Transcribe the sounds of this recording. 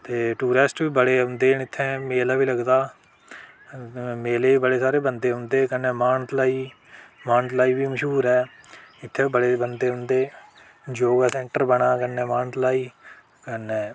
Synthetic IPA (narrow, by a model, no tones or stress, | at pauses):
t̪eːʈuːɾesʈbiːbəɽeːɦʊ̃nd̪eːnɪt̪ʰːɛ̃ːmeːlaːʋiːləɡd̪aː | meːleːbəɽeːsaːɾeːbənd̪eːɦʊ̃nd̪eːkənːɛ̃ːmaːɳʈlaːiː | maːɳʈlaːiːbiːməʃɦuːɾɦɛː | ɪt̪ʰːeːbəɽeːbənd̪eːɦʊ̃nd̪eː | d͡ʒoːɡaːsɛ̃ːɳʈəɾbəɽaːkənːɛ̃ːmaːɳʈlaːiː | kənɛ̃ː